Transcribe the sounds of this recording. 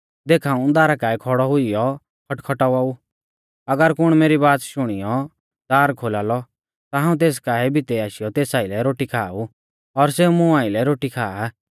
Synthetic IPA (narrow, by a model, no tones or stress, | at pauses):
d̪eːkʰaːũd̪aːɾakaːɛkʰɔɽɔɦʊijɔ | kʰɐʈkʰɔʈaaːu | ɐɡəɾkʊɽ̃meːɾibaːt̪ʃʊɽ̃ɪjɔ | d̪aːɾkʰoːlaːlɔ | t̪aɦãːũt̪eːs̬kaːɛbʱɪt̪ɛaːʃɪjɔt̪eːsaːɪlɛɾoːʈikʰaːu | ɔɾseːumʊ̃aːɪlɛɾoːʈikʰaːa